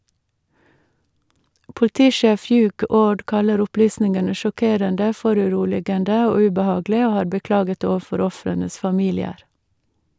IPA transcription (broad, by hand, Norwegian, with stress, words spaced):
pʊlˈtiːˌʃeːf ˈhjʉːɡ ˈoːɖ ˈkɑləɾ ʊˈplyːsnɪŋənə ʃɔˈkeːɾəndə ˈfɔɾʉˌɾuːlɪɡəndə ˈoː ʉbəˈhɑːɡlɪ ˈoː ˈhɑːɾ bəˈklɑːɡət ˈoːʋəˌfɔɾ ˈɔfɾənəs fɑˈmiːlɪəɾ